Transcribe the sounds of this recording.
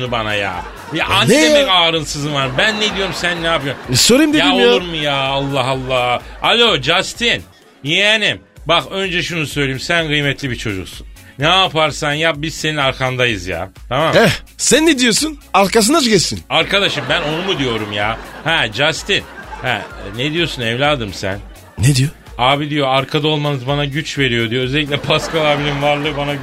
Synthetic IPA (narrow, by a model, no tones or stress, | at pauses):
nubanaja̰ː | jaʔaneɛkaːɾɯnsɯzɯnaɾbænːed̪ijo̞ɾumsænːɛapɯjoɾmsoɾujmd̪ejaolˠuɾmujaːalˠːaɦalˠːaalʲod͡ʒast̪ʰin | jɛnim | baxø̞nd͡ʒɛʃunusø̞jlʲejimsænɡɯjmɛt̪lʲibit͡ʃʰo̞d͡ʒuksunːaːpaɾsanjabizse̞ninaɾkʰand̪ajɯzja̰ːt̪ʰamamɛ | sænːed̪ijo̞sunaɾkas̬ɯnad͡ʒɟɛsinaɾkʰad̪aʃɯmbæno̞numud̪ijo̞ɾumjaːhɛd͡ʒast̪inhæ̰ned̪ijo̞sunɛvlʲaːd̪ɯmsæ̰n | ned̪ijo | aːbid̪ijo̞aɾkʰad̪aolˠmanɯzbanaɟyt͡ʃve̞ɾijo̞d̪ijo̞ø̞zelʲic̬ʲlʲɛpʰaskalˠabilʲimvaɾlˠɯbana